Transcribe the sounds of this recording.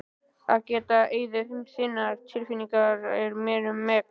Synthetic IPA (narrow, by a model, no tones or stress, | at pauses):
aðcɛːt̪aʔeːjðɪmsɪnːaɾt̪ʰɪlfiniŋkaɾɛɾmɛːɾʏmːɛ